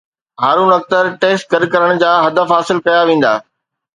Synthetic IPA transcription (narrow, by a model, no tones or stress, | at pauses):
ɦaːɾũnɐk̚t̪əɾʈeːsʈ̚kɐɾkɐɾəɽ̃d͡ʑaːɦɐd̪əfɦaːsɪlkɐjaʋẽːn̆d̪a̰ː